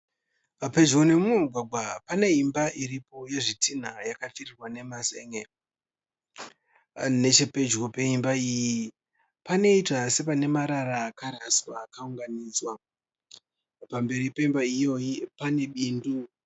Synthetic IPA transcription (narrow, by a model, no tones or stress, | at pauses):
pape̞d͡ʒɣone̞muɡʱwaɡʱwapane̞imbaʔiɾipo̞je̞ʐitin̤ajakatirirwane̞maseŋe | ne̞t͡ʃepe̞d͡ʒɣope̞imbaiji | pane̞itwase̞pane̞maɾaɾaːkaɾaswaːkauŋɡaniːd͡zwa | pambe̞ɾipe̞imbaijo̞jipane̞ɓiːndu